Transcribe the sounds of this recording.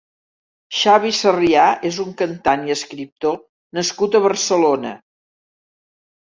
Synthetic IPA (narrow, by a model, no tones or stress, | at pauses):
ʃaβ̞isəriaʔezuŋkənt̪aniəskɾip̚t̪o | nəskut̪əβərsəlonə̰